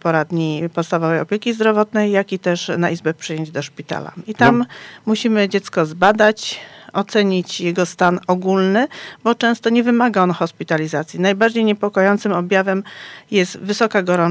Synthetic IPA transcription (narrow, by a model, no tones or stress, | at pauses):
pɔɾad̪ɲipɔt̪st̪avɔvɛjɔpʲjekʲizd̪ɾɔvɔt̪nɛjːakʲit̪ɛʂnaʔizbɛpʂɛjeɲd͡ʑd̪ɔʂpʲit̪a̰la̰it̪amːuɕimɘd͡ʑɛt̪skɔzbad̪at͡ɕɔt̪sɛɲit͡ɕjɛɡɔst̪anɔɡulnɘbɔt͡ʂɛ̃w̃st̪ɔɲɛvɘmaɡaɔnxɔspʲit̪alʲizat̪sʲjinajbaɾd͡ʑejɲɛpɔkɔjɔnt̪sɘmɔbʲjavɛmjɛst̪vɘsɔkaɡɔɾɔ